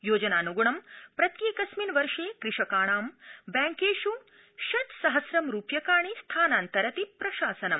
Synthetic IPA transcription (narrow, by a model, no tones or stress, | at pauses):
joːd͡ʒɐnaːnuɡuɳɐmpɾɐt̪jeːkɐsmiːnʋɐɾʂeːkɾɪʃɐkaːɳaːmbaːŋkeːʃu | ʃɐt̪sɐɦɐsɾɐmɾuːpjɐkaːɳist̪ʰaːnaːnt̪ɐɾɐt̪ipɾɐʃaːsɐnɐm